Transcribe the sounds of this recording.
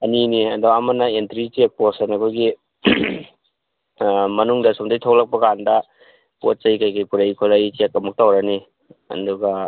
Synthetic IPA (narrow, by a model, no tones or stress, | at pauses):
ɐniniɐdoɐmɐnɐentɾit͡ʃek̚posenɐkʰojɡi | mɐnuŋdɐsomdajtʰowlɐk̚pɐɡandɐ | pot̚t͡ʃɐjkajkajpuɾɐjkʰoɾɐjt͡ʃekɐmuk̚tawɾɐni | ɐ̰duɡɐ